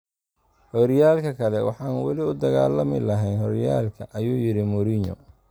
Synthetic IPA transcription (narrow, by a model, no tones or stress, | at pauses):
hɔɾjaːlkʰɐkʰɐlɛwɑħɑːnwɑlɪʊd̪ɐɣa̰ːlɐmɪlɐɦɛjnhɔɾjaːlkʰɐʔɐjuːjɪɾɪmʊɾiɲɔ̰